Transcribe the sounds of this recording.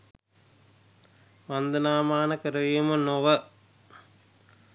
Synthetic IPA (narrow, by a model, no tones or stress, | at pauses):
mand̪ɐnaːmaːnɐkəɾɐʋimɐnoʋə